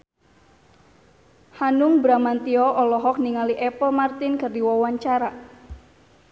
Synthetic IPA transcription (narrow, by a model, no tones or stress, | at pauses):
hanʊŋbɾamant̪iɔʔɔlɔɦɔk̚niŋaliʔɛpɔmart̪ɪnkɨrdiwawaɲt͡ʃaɾa